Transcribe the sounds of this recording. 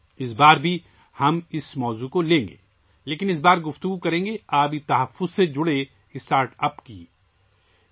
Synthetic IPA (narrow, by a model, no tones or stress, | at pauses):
ɪs̬baːɾbʱi | hɐmɪsmɔːzukolẽːŋ̆ɡḛː | leːkɪnɪs̬baːɾɡʊft̪ʊɡukɐɾẽːŋɡeaːbʱit̪ɐɦɐfːʊzsed͡ʒʊɽe | ɪsʈaːɾʈɐpkḭː